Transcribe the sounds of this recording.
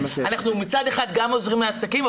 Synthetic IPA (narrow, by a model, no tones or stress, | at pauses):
anaχnumit͡sad̪e̞χad̪ɡamo̞zʁimleasakima